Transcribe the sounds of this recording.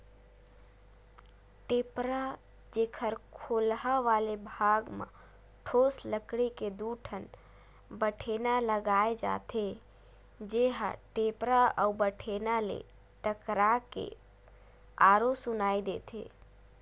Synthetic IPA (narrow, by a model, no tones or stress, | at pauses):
ʈepɾa | d͡ʒekʰəɾkʰolɦaʋalebʱaɡmə̰̃ | ʈʰosləkɽeked̪uʈʰən | bəʈʰenaləɡaed͡ʒa̰t̪ʰe | d͡ʒeɦa̰ʈepɾaəubəʈʰenalḛ | ʈəkɾakḛ | aɾosʊnaːid̪eːt̪ʰḛ